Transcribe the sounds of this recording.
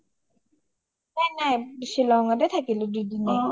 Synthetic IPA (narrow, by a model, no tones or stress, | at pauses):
nɛnabiʃilɔŋad̪et̪ʰakilod̪ud̪ine